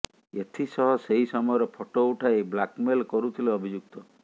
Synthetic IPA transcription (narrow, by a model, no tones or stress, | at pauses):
et̪ʰisɔɦɔseɦisɔmɔjɔɾɔpʰoʈouʈʰaeblakmelkɔɾut̪ʰileɔbʱid͡ʒuk̚t̪ɔ